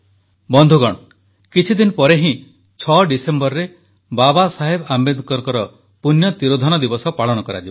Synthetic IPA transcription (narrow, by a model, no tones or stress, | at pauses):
bɔnd̪ʱuɡɔɽ̃ɔ | kit͡ʃʰid̪inpɔɾeɦĩ | t͡ʃʰɔɖisembɔɾɾe | babasaɦebambed̪ʱkɔɾkɔɾɔ | punjɔt̪iɾod̪ʱɔnɔd̪ibɔsɔpaɭɔñɔkɔɾa̰d͡ʒibɔ